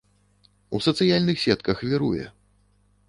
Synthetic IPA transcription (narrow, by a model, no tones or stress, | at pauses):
usɐt̪sɨjalʲnɨxsʲɛt̪kɐxvʲiɾujɛ̰